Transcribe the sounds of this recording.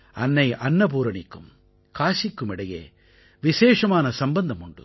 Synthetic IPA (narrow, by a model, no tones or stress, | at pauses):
ɐnːɐɪʔɐnːɐp̬uːɾɐɳɪkːɯm | kaːʂɪkːɯmɪɽɐjḛː | ʋɪʃeːʂɐmaːnɐsɐmbɐnd̪ɐmʊɳɖɯ̰